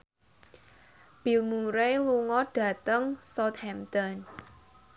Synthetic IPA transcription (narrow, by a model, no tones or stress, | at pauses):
b̥ilmuɾeluŋɔɖ̥ä̤t̪əŋsɔt̪̚hɛmt̪ɔn